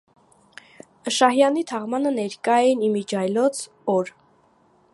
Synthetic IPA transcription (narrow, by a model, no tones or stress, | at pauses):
əʃɑhjɑnit̪ʰɑʁmɑnənɛɾkɑjɛnimid͡ʒɑjlɔt͡sʰ | ɔɾ